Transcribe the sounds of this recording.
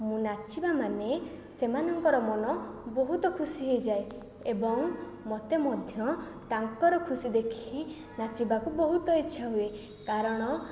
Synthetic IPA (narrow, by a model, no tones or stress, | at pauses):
mũnat͡ʃibamane | semanɔŋkɔɾɔmɔnɔboɦut̪ɔkʰusiɦejd͡ʒae | ebɔŋ | mɔt̪emɔd̪ʱjɔt̪aŋkɔɾɔkʰusid̪ekʰi | nat͡ʃibakubɔɦut̪ɔet͡ʃːʰaɦue | kaɾɔɽ̃ɔ